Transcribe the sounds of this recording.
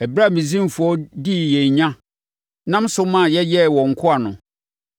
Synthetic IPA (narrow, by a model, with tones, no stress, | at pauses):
ɛ˨bɾa˦˨mĩ˨zĩ˦m˨fʊ˨˦ɔ˦di˦˨jɛ˨ɲ˨ɲã˦ | nã˦m˦sʊ˦mã˦˨jɛ˦jɛ˦˨wɔ̃˨ŋ̩˨kʰʊ˦a˨nʊ̃˨